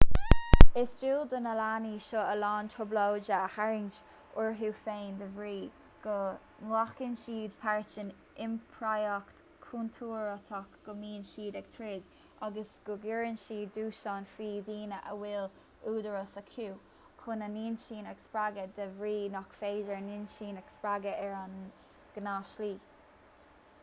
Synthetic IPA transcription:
ɪsd͡ʒiːld̪ənəlaːniːʃoəlɑːntʰʊblowd͡ʒəhaɹɪnt͡ʃ | ʊɹɦuːfeːnd̪əvɹiː | ɡ̥ɔ | nlaxkɪnʃiːd̪pʰaɹt͡ʃɪn | ɪmpʰɹajɔkt | kʰunt̪ʰuːɹət̪ʰɔkɡ̥ɔmiːnʃiːd̪ɛɡ̥̚t̪ʰɾɪd̪ | aɡəsɡ̥ʊɡɪɹənʃiːuːʃanfɹiːðiːnəʔə̰wɪl | uːd̪əɹəsəkʰuː | kʰʊnəniːnʃiːnɛɡspɹaɡəd̪əvɾiːnɔkfeːʒəɹniːnʃiːnɛɡ̥spɹaɡəʔɛɹan | ɡ̥ənaːʃliː

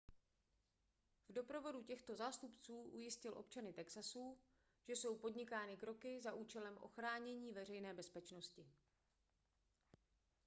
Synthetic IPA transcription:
vdo̞pɾo̞vo̞ducɛxt̪o̞zaːst̪upt͡suːʔujɪscɪlʔo̞̰pt͡ʃanɪt̪ɛksasuː | ʒ̥ɛso̞wpo̞dɲɪkaːnɪkɾo̞kɪzaʔuːt͡ʃɛlɛmʔo̞̰xɾaːɲɛɲiːvɛr̝ɛjnɛːbɛspɛt͡ʃno̞scɪ

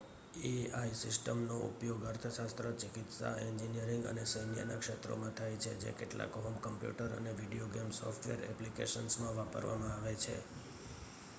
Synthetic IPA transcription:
eaisɪsʈəmnoʔṵpjoɡəɾt̪ʰəʃast̪ɾət͡ʃɪkit̪sa̰ɛɲd͡ʒinijəɾĩŋɡə̰nesəjnijə̰nakʃet̪ɾo̰mãt̪ʰajt͡ʃʰḛd͡ʒḛkeʈla̰kɦomkəmpjṵʈəɾə̰neʋiɖioɡemsɔfʈʋḛɾɛ̰plikḛʃənsmãʋapə̰ɾʋamãaʋet͡ʃʰḛ

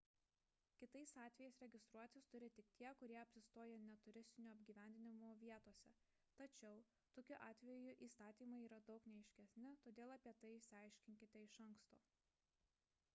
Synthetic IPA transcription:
kʲɪt̪ɐɪsɑːt̪ʲʋʲɛjɛɪsɾʲɛɡʲɪst̪ɾuɔt̪ʲɪst̪ʊɾʲɪt̪ʲɪkt̪ʲʰiɛkʊɾʲiɛɐpʲsʲɪst̪oːjɛnʲɛt̪ʊɾʲɪsʲt̪ʲɪnʲuːɐbʲɡʲiːʋʲæˑnʲd̪ʲɪnʲɪmoʋʲiɛt̪oːsʲɛ | t̪ɐt͡ʃʲɛʊ | t̪oːkʲʊʔɑːt̪ʲʋʲɛjʊʔiːst̪ɑːt̪ʲiːmɐɪiːɾɐd̪ɒʊknʲɛɛɪʃʲkʲɛsʲnʲɪt̪oːd̪ʲeːlˠɐpʲiɛt̪ɐɪɪʃsʲɑˑɪʃʲkʲɪŋʲkʲɪt̪ʲɛɪʃɐŋkst̪o̰ː

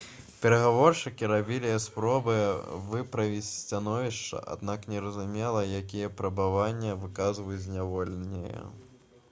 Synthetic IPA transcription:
pʲɛɾɐɣavɔrʂɨkʲiɾabʲilʲijɐspɾɔbɨvɨpɾɐvʲit͡sʲsʲt͡sʲanɔvʲiʂt͡ʂɐ̰ʔa̰d̪naknʲɛɾɐzumʲɛlˠɐjakʲijɛpɾɐbavanʲːɐvɨkazvɐjd͡zʲzʲnʲavɔlʲnʲḭjɐ̰

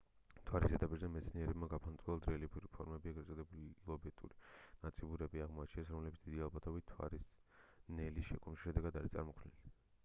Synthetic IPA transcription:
t̪ʰwaɾisɛd̪apʼiɾzɛmɛt̪sʰniɛɾɛbmaɡapʰant̪ʼuald̪ɾɛɛlipʰuɾipʰɔɾmɛbiɛɡɾɛt̪sʼɔd̪ɛbuliilˠɔbɛt̪ʼṵɾinat̪sʼibuɾɛbiaʁmɔat͡ʃʰinɛsɾɔmlɛbit̪d̪id̪ialˠbat̪ʰɔbitt̪ʰwa̰ɾisnɛlisʃɛkʰʼɔmiʃɛd̪ɛɡad̪aɾit̪sʼa̰ɾmɔkʰlnɛ̰li

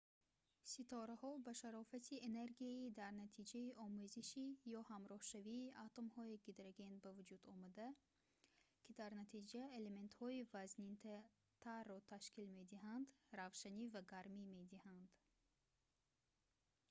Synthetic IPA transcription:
sit̪ʰɔɾahɔbaʃaɾɔfat̪ʰiene̞ɾɡiaid̪æɾnat̪ʰid͡ʒaiʔɔmuziʃijɔhamɾɔhʃaviːʔat̪ʰomhɔiɡid̪ɾaɡe̞nbævud͡ʒud̪ɔmad̪a | kʲʰid̪aɾnat̪ʰid͡ʒaele̞me̞nt̪hɔivaznint̪ | t̪ʰarːɔt̪ʰaʃkilme̞d̪iɦand̪ɾavʃanivaɡaɾmime̞d̪ihand̪̥

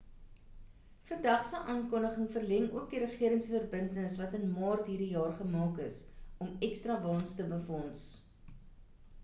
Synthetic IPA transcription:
fərdɐχsəʔɑːnkɔndəχəŋfərlɛŋṵək̚diɾəχiəɾəŋsfərbəntənəsvɐtənmɑːrtɦiːrdijɑːrχəmɑːkəsɔmɛkstrɐvɑːnstəbəfɔns

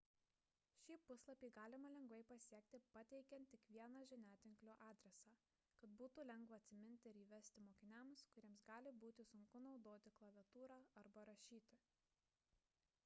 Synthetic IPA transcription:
ʃʲiːpʊslˠɐpʲiːɡɑːlʲɪmɐlʲɛŋɡʋɐɪpɐsʲiɛkt̪ʲɪpɐt̪ʲɛɪkʲɛnt̪ʲːɪkʋʲiɛnɑʒʲɪnʲæːt̪ʲɪŋklʲoːʔɑːd̪ʲɾʲɛsɑː | kɐt̪buːt̪uːlʲɛŋɡʋɐɐt̪ʲsʲɪmʲɪnʲt̪ʲɪɪɾiːʋʲɛsʲt̪ʲɪmoːkʲɪnʲɛmskʊɾʲiɛmsɡɑːlʲɪbuːt̪ʲɪsʊŋkʊnɒʊd̪oːt̪ʲɪklˠɐʋʲɛt̪uːɾɑːɐɾbɐɾɐʃʲiːt̪ʲɪ

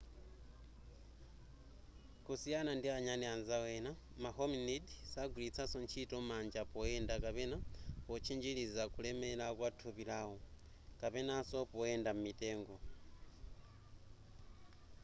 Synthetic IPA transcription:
kusijanandiaɲanianzawena | mahominidisaɡulit͡sʰasoɲt͡ʃʰitomaːɲd͡ʒapojeːndakapenapot͡ʃʰiɲd͡ʒilizakulemelakwatʰuβilaho | kapenasopojeːndamumiteːŋɡo

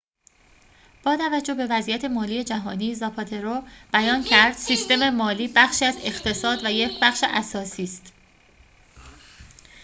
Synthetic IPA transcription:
b̥ɒːt̪ʰævæd͡ʒːo̞hbe̞væzijæt̪ʰe̞mɒːliːe̞d͡ʒæɦɒːniːezɒpʰɒt̪ʰe̞ɾob̥æjɒːncʰæɾd̪̥siːst̪e̞me̞mɒːliːbæχʃiːæze̞xt̪ʰe̞sɒːd̪væjecʰbæxʃeʔæsɒːsiːst̪

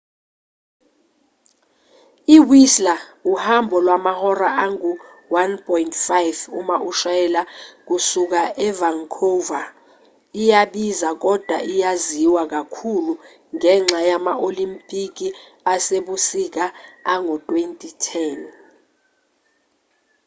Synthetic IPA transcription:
iwislauhambʱɔlwamahɔɾaʔaŋu | wanpʰʼɔintʰʼfajvumaʔuʃaɛlak̬usuk̬aʔɛvaŋkʰova | ijaɓizak̬ɔd̥ʱwaʔijaziwak̬akʰulu | ŋɛŋ͡ǁʱajamaʔolimpʼik̬ʼi | aseɓusik̬aaŋɔtʼwentʼitʰɛn

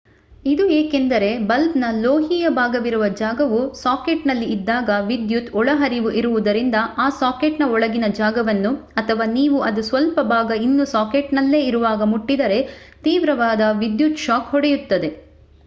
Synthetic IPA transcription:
id̪ueːkend̪ɐɾe̞bɐlbnɐloːɦiːjɐbʱaːɡɐʋiɾuʋɐd͡ʒaːɡɐʋusaːkeʈnɐlːiːd̪ːaːɡɐʋid̪jut̪ɔɭɐɦɐɾiʋuʔiɾuʋud̪ɐɾind̪ɐaːsaːkeʈnɐɔɭɐɡinɐd͡ʒaːɡɐʋɐnːu | ɐt̪ʰɐʋaːniːʋuʔɐd̪usʋɐlpɐbʱaːɡɐinːusaːkeʈnɐlːe̞ːiɾuʋaːɡɐmuʈːid̪ɐɾe̞ | t̪iːʋɾɐʋaːd̪ɐʋid̪jut̪ʃaːkhɔɽejut̪ːɐd̪e̞

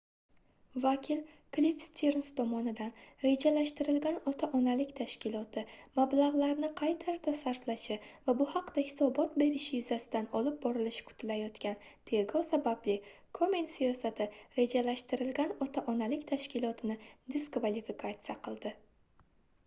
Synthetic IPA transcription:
vakʲʰɪl | klifst̪ʲʰiɾnst̪ʰɒmɒnɪd̪anɾe̞d͡ʒalaʃt̪ɪɾɪlɡʲanɒt̪ʰaʔɒnalɪkʲt̪ʰaʃkʲɪlˠɒt̪ʰɪmablˠaʁlˠaɾnɪqʰɑjt̪ʰaɾt̪ʰasaɾflaʃɪvabʊhɑqd̪̥ahɪ̥sɒbɒt̪̚be̞ɾɪʃɪjʊzasɪd̪anɒlɪp̚bɒɾɪlɪʃɪ̥kʰʊ̥t̪ʰɪlajɒt̪kʲant̪ʰe̞ɾɡɒsabablɪ | kʰomensijɒsat̪ʰɪɾe̞d͡ʒalaʃt̪ɪɾɪlɡʲanɒt̪ʰaʔɒnalɪkʲt̪ʰaʃkʲɪlˠɒt̪ʰɪnɪd̪ɪskvalifikʰat̪sijaqʰɨlˠd̪ɪ

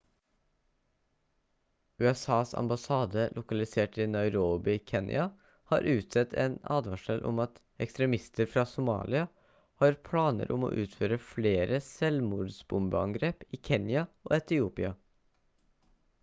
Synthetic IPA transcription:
ʉːɛsɑːsɑ̰mbɑsɑːd̪əlʔʊkɑlɪseːʈiːnɑʏɾoːbɪkʰɛnjɪ̰ɑ | hɑːɾʔʉːt̪sɛt̪ʰḛːnɑ̰ːd̪ʋɑʃɛlʔʊ̰mɑt̪ | ɛkst̪ɾɛmɪst̪əɾfɾɑːsʊmɑ̰ːlɪɑ | hɑːɾpʰɽɑːnə̰ɾʔʊmo̰ːʔʉːt̪føːɾəfleːɾəsɛlmuːɖ̪sbʊmbəɑ̰ŋɡɾeːpiːkʰɛnjɑo̰ːɛt̪ɪuːpɪɑ

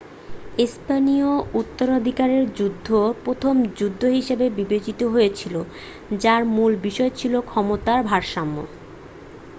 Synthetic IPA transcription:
espaniout̪ːoɾod̪ʱikaɾeɾd͡ʑud̪ʱːopɾot̪ʰomd͡ʑud̪ʱːoɦiʃebebibet͡ɕit̪oɦojet͡ɕʰilo | d͡ʑaɾmulbiʃɔet͡ɕʰilokʰɔmot̪aɾbʱaɾʃamːo̰

